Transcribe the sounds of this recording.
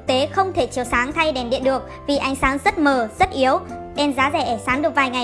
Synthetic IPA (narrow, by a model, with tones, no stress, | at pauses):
k̚t̪e˨˦xə˧wŋ͡mt̪ʰe˧˩t͡ɕi˨˩əwsaː˨˦ŋt̪ʰa˧jɗe˧˩mɗḭ˧˨ənɗɨ˨˩ək̚vi˨˩ʔa˨˦jŋ̟saː˨˦ŋzə˦˥t̚məː˨˩zə˦˥t̚ʔi˨˦əwɗe˧nzaː˨˦zɛ˨˩ʔɛ˧˩saː˨˦ŋɗɨ˨˩k̚vaː˨˩jŋa˨˩j